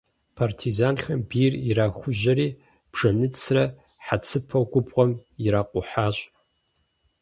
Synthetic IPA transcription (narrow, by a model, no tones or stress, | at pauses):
pʰartʰizaːnxɐmbiːriraːxʷʊʑɐɾiː | b̥ʐ̥ɐnɨt͡sʰrɐ | ħat͡sʰɨpʰɐɡʷʊpʼqʷʼɔmɪɾaːqʷʼʊħaːɕʼ